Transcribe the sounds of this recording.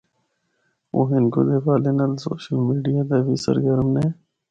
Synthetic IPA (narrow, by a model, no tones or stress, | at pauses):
o̰ːɦɪnko̰ːd̪ekaːlenaːlso̰ːʃəlmiːɖijaːd̪ebisə̰ɾɡəɾmneː